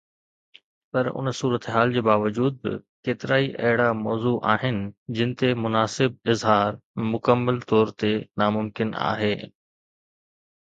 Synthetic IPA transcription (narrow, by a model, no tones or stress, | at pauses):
pɐɾʊ̰nsuːɾət̪eɦaːld͡ʑeːbaːʋəd͡ʑuːd̪̚bɪ̰keːt̪ɪɾaːiʔɐ̰ɦɪɽamɔːzuʔaːɦɪnɪ̆d͡ʑɪ̃nɪ̆t̪emʊnaːsɪb̚ɪzɦaːɾmʊkəmːəlt̪ɔːɾt̪enaːmʊmkɪna̰ːɦeː